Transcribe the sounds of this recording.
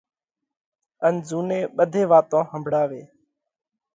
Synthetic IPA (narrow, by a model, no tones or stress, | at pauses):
ənzuːneːɓəd̪ʱeːʋaːt̪õːɦəmbʱɽaːʋeː